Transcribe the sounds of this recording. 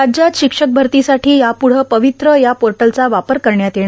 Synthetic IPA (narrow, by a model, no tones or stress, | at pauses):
ad͡ʑjat̪ɕikʂək̚bʱəɾt̪isaʈʰiːjapuɽ̤əpəʋit̪ɾəjapoɾʈəlt͡saʋapəɾkəɾɳjat̪eɽ̃